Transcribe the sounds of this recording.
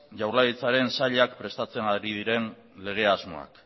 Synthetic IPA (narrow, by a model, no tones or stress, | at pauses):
ʝawɾlait͡saɾe̞nsaʎakpɾe̞st̪at͡se̞naɾiðiɾe̞n | le̞ɣ̞e̞azmo̞̰a̰k